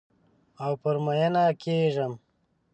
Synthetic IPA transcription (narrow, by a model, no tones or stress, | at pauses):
awpəɾmajanakʰeʐəm